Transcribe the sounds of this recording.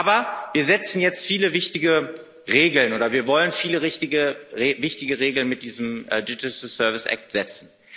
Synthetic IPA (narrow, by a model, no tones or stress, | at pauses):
ʔaːbɐviːɐzɛt͡sn̩jɛt͡stfiːləvɪçtɪɡə | ʁeːɡl̩nʔoːɾɐviːɐvɔlənfiːləʁɪçtɪɡəevɪçtɪɡəʁeːɡl̩nmɪt̚d̥iːzəm̩ːdɪd͡ʒɪslsœɐvɪsʔa̰k̚tz̥ɛt͡sn̩